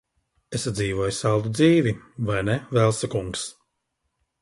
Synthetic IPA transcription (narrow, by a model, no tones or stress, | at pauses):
esad̪ziːvɔjsalˠd̪ud̪ziːvivajnɛvɛlˠsakuŋks